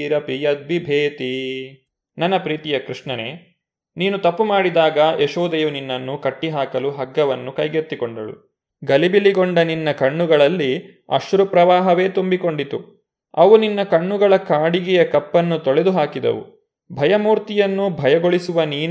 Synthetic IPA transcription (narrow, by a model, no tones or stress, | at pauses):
iɾɐpijɐd̪̚ʋibʱeːt̪i | nɐnːɐpɾiːt̪ijɐkɾuʂɳɐneː | niːnut̪ɐpːumaːɽid̪aːɡɐʔeʃoːd̪ɐjuninːɐnːukɐʈːiɦaːkɐluɦɐɡːɐʋɐnːukɐjɡet̪ːikoɳɖɐɭṵ | ɡɐlibiliɡoɳɖɐninːɐkɐɳːuɡɐɭɐlːi | ɐ̰ʃuɾupɾɐʋaːɦɐʋe̞ːt̪umbiko̞ɳɖit̪u | ɐʋuninːɐkɐɳːuɡɐɭɐkaːɽiɡɛjɐkɐpːɐnːut̪oɭed̪uɦaːkid̪ɐ̰ʋṵ | bʱɐjɐmuːɾt̪ijɐnːubʱɐjɐɡoɭisuʋɐniːn